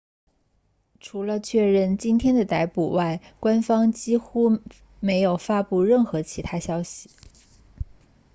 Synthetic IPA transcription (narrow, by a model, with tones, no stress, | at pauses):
ʈ͡ʂʰu˧˥lə˧t͡ɕʰɥɛ˥˧ɻə˥˩nt͡ɕi˥nt̪ʰjɛ˥nd̪ə˨t̪a˧˥ɪpu˨˩wa˥˩ɪkwa˥nfɑ˥ŋt͡ɕi˥xu˥ | me˧˥ɪjo˨˩ʊfa˥pu˥˧ɻə˥˩nxɤ˧˥t͡ɕʰi˧˥t̪ʰa˥ɕjɑ˥ʊɕi˨˩˦